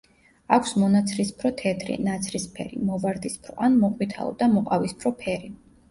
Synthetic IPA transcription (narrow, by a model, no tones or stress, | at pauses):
akʷʰsmɔnat̪sʰɾispʰɾɔt̪ʰɛt̪ʰɾḭnat̪sʰɾispʰɛ̰ɾḭmɔvaɾd̪ispʰɾɔʔanmɔqʼwit̪ʰa̰ɔ̰d̪amɔqʼavispʰɾɔpʰɛɾi